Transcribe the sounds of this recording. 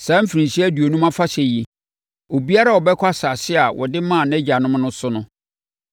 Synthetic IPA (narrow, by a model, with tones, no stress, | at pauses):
sãː˨˦m̩˦fi˨ɾĩ˨nɕi˦æ˦du˨o˨nũ˦mã˦fa˦ɕɛ˨ji˨ | o˨bi˦a˦ɾa˦wɔ˨bɛ˦kʰa˦sa˨sɪ˦a˨wʔɔ̰˨dɪ˦mã˦˨nɛ̃˦d͡ʑa˨nʊ̃˦m˦nʊ̃˦sʊ˦nʊ̃˦